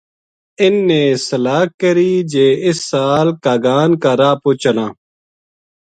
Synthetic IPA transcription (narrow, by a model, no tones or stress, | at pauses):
ɪnːeːsəlaːkːəɾiːd͡ʒeːɪsːaːlkaːɡaːnkaːɾaːpoːt͡ʃənãː